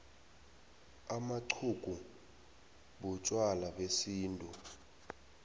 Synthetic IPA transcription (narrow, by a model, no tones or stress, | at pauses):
amaǀʰuku | ɓut͡ʃʼwalaɓesiːntʼu